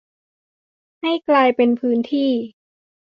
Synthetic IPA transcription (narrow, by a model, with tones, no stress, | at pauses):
ha˥˩jklaː˧jpe˧npʰɯː˦˥nt̪ʰiː˥˩